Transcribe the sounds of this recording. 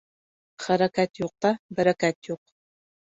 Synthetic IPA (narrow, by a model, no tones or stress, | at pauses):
χɐɾɐkʰatʰjuq̚tʰabɐɾɐkʰaːtʰjuq̚